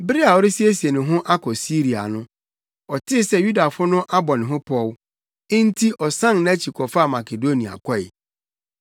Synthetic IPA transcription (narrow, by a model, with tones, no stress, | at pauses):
bɪ˦ɾi˦a˨ɔ˨˦ɾɪ˦si˦e˦si˨e˨nɪ̃˨ɦʊ̃˦ʔa˦kʰɔ˨si˦ɾi˨a̰˨nʊ̃˦ | ɔ˨tʰɪ˦sɛ˦ju˦da˨fʊ˦nʊ̃˦ʔa˦bɔ˨nɪ̃˨ɦʊ̃˦pʰɔ˦˨l | ɪ˦n̩˦tʰi˦ʔɔ˨sã˦nñ˨æ˦t͡ɕʰi˨kʰɔ˨fa˦˨ma˨kʰe˨do˦nĩ˨a̰˨kʰɔ˦ɪ̰˨